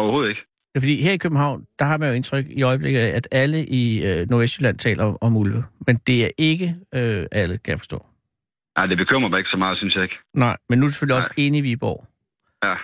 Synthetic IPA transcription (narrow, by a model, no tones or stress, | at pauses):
ɒʊɐho̝ːð̞̩ˠeɡ̥ə̥ | fɒ̽d̥ḭːɦeɐ̰ikʰøb̥̚m̩ɦɑ̈ʊ̰nd̥ɑ̈hɑ̈mænjo̝e̝nt͡sʰʁœɡ̥iɒ̽ɪb̥le̝ɡ̥ð̩ˠæʔæd̥æləʔiønoɐesd̥ylæn̰t͡sʰɛ̰ːlɐɒ̽mulʋəmend̥e̝æɐʔe̝ɡ̥əøʔæləkʰæjɑfɒsd̥ɔ̰̽ː | nɑɪd̥e̝b̥ekʰøm̰ʁɐbɑ̈e̝ɡ̥sɒ̽mɑ̈ːð̩ˠsynsjɑ̈e̝ɡ̥nɑ̈ɪ̰menːuuse̥føliɒse̝ːniʋib̥ɒ̰ː | æ